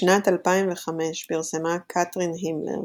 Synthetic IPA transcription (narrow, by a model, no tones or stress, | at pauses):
ʃnatalpaimveχame̞ʃpiʁsemakʰatʁinɦimlḛʁ